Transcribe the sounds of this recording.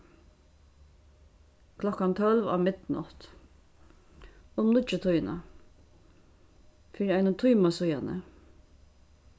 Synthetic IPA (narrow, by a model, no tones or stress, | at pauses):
kʰlɔkːant̪ʰɔlva̰ːmɪt̪nɔ̰t̪ | ʊmnʊt͡ʃːɪt̪ʰʊjna̰ | fiːɾiaɪnʊt̪ʰujmasʊjanə̰